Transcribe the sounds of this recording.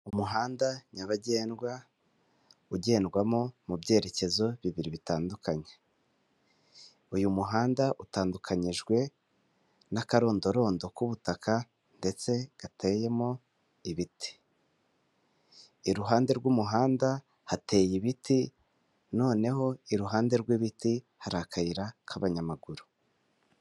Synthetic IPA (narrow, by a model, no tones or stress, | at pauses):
umuɦaːndaɲaβaɟe̞ːnɡwa | uɟe̞ːnɡwamo̞mubɟe̞ːɾe̞ce̞zo̞βiβiɾiβitaːndukaɲe̥ | ujumuɦaːndaʔutaːndukʰaɲiʒɡwe̞ | nakaɾo̞ːndo̞ɾo̞ːndo̞kuβutaka | nde̞t͡se̞ɡ̥atʰe̞ːje̞mo̞ | iβiti̥ | iɾuɦaːnde̞ɾɡwumuɦaːnda | hate̞ːjiβiti | no̞ːne̞ho̞iɾuɦaːnde̞ɾɡwiβiti | haɾakʰaiɾakʰaβaɲamaɡuɾu̥